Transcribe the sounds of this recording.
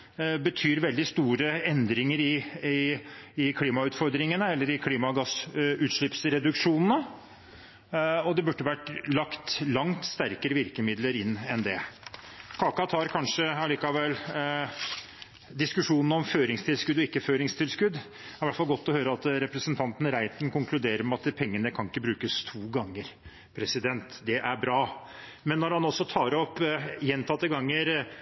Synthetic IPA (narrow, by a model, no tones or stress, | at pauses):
bət̪ʰyːɾʋɛld̪ɪst̪uːɾəɛnd̪ɾɪŋəɾɪɪɪkʰliːmɑʉːt̪fɔɾd̪ɾɪŋənəɛlːəɾɪkʰliːmɑɡɑsʉːt̪ʂɭɪpsɾɛd̪ʉkʂuːnnə | ɔd̪ɛbʉʈːəʋæʈːlɑkt̪lɑŋt̪st̪æɾkəɾəʋɪɾkəmɪd̪ləɾɪnːɛnd̪ɛ | kʰɑːkɑt̪ʰɑːɾkʰɑnʂəɑliːkɑʋɛl | d̪ɪskʉʂuːnn̩ɔmføːɾɪŋst̪ʰɪlskʉd̪ːɔɪkːəføːɾɪŋst̪ʰɪlskʉd̪ | ɾɪʋæʈfɑlɡɔt̪ːɔhøːɾəɑt̪ɾɛpɾəsənt̪ʰɑnt̪ən̩ɾæɪt̪n̩kʊŋkʰlʉd̪eːɾəɾmɛɑt̪pʰɛŋːənəkʰɑŋɪkːəbɾʉːkəst̪ʰuːɡɑŋːəɾ | pʰɾɛsɪd̪ɛnt̪d̪ɛʔæɾbɾɑː | mɛnːɔɾhɑnɔsːɔt̪ʰɑːɾɔpːjɛnt̪ʰɑt̪ːəɡɑŋːəɾ